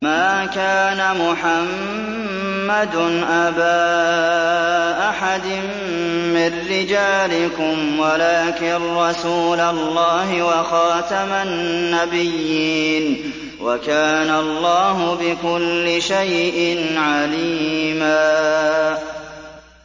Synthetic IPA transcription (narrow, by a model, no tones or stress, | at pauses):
maːkaːnamʊħamː | ad̪ʊnʔabaː | ʔaħad̪ɪmː | ɪrːɪd͡ʒaːlɪkʊmwalaːkɪɾːˤɑsuːlalːɑːɦɪwɑxɑːt̪amanːabɪjːiiːn | wa̰kaːnaɑlˤːɑːɦʊbɪkʊlːɪʃajʔʔɪnʕaliːmaː